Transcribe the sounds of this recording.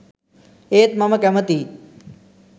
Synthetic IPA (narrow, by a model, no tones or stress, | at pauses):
eːt̪̚mɐməkɐmət̪iː